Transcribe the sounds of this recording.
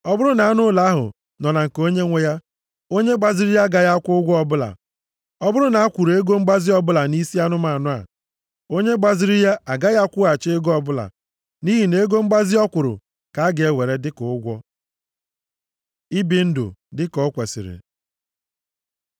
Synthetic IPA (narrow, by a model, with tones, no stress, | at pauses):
ɔ˦bʊ˦ɾʊ˦na˨a˦nʊ˦la˦a˦ɦʊ̰˨ | nɔ˨na˨ŋ̩˨ko˦ɲe˦ŋʷe˦ja˦ | o˦ɲe˦ɡ͡ba˨zi˨ɾi˦ja˦ɡa˨ja˦kʷʊ˦ʊ˦ɡʷɔ˦ɔ˦bʊ˦la̰˨ | ɔ˦bʊ˦ɾʊ˦na˨a˦kʷu˨ɾe˦ɡo˦m̩˦ɡ͡ba˦zi˦ɔ˦bʊ˦la˨ni˦si˦a˦nʊ˦ma˨nʊ˦a̰˨ | o˦ɲe˦ɡ͡ba˨zi˦ɾi˦ja˦ʔa˨ɡa˦ja˦kʷʊ˦a˨t͡ʃe˦e˦ɡɔ˦bʊ˦la̰˨ | ni˦ɦi˨ne˦ɡo˦ŋ͡m̩˦ɡ͡ba˦zi˦ɔ˦kʷʊ˨ɾʊ̰˨ | ka˨a˦ɡe˨e˦we˨ɾe˦dɪ˦kʊ˨˦ʊ˦ɡʷɔ˦ | i˦bi˨n̩˦dʊ̰˨dɪ˦kɔ˨˦kʷḛ˨sɪ̰˨ɾɪ̰˨